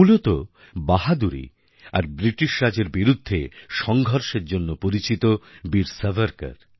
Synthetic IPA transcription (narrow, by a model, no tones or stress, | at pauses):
ulot̪o | baɦad̪uɾḭ | a̰ɾbɾiʈiʃɾad͡ʑeɾbiɾud̪ʱːeʃɔŋɡʱɔɾʃeɾd͡ʑonːopoɾit͡ɕit̪obiɾsavaɾka̰ɾ